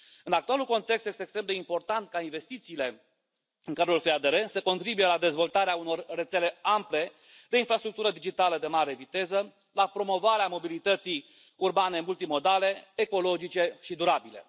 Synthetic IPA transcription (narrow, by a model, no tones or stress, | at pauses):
ɨnak̚t̪ualulko̞nt̪ekst̪je̞st̪ekst̪ɾe̞md̪e̞impo̞rt̪ant̪kainve̞st̪it̪siːle̞ | ɨŋkaɾulfead̪eɾesəko̞nt̪ɾibuje̞lad̪e̞zvo̞lt̪aɾeauno̞rːe̞t̪se̞le̞ample̞ | d̪e̞infɾast̪ɾuk̚t̪uɾəd̪id͡ʒit̪aləd̪e̞maɾe̞vit̪e̞zə | lapɾo̞mo̞vaɾeamo̞bilit̪ət̪sij | urbane̞mult̪imo̞d̪ale̞ːko̞lo̞d͡ʒit͡ʃe̞ʃid̪uɾabile̞̰